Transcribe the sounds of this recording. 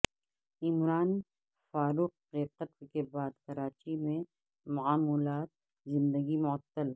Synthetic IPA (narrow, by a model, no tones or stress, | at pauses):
ɪmɾaːn | faːɾuːq̚ɣeːt̪ət̪kebaːd̪kɐɾaːt͡ʃimẽ | mʊaːmulaːt̪̚ | zɪ̃nd̪əɡimʊət̪ːəl